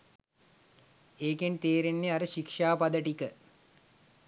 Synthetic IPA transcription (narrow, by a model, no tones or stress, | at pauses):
eːkent̪eːɾenːeaɾəʃikʂaːpɐd̪əʈikə